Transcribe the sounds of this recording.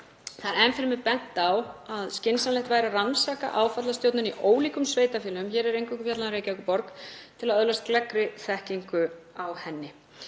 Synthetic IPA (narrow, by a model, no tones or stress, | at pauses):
θanɛnfɪɾmɪpɛn̥t̪awaðscɪnsanlɛht̪vajɾaransaːka̰ʔaːwfat̪last̪jowt̪nʏniʔoːwliːkʏmsveːjt̪afɛːlʏmçɛːɾɛɾejŋkvɛkʏfjat̪lanɾeːjcaɛkʏpɔɾkt̪ʰɪlaðœðlast̪̚klɛkɾɪθɛhciŋkʏawhɛnːɪ